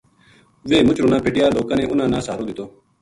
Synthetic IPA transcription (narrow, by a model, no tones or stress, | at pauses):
ʋeːmʊt͡ʃɾoːnãːpeʈɪjaːloːkãːnẽːʔʊnãːnãːsaːɾoːd̪ɪt̪oː